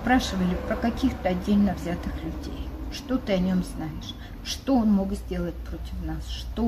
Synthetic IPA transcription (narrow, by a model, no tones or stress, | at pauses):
spɾaʂɨvəlʲɪpɾəkɐkʲixt̪əɐdʲːelʲnəvzʲat̪ɨxlʲʉdʲḛjʂt̪o̞t̪ɨɐnʲo̞mznaɪʂ | ʂt̪oonmoɡzʲdʲe̞lˠət̚ʲpɾotʲɪ̥fnasʂt̪o